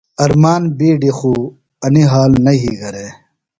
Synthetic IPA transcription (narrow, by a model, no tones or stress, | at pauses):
ɐɾmaːnbiːɖixuː | ɐniɦaːlnɐɦiɡɐɾeː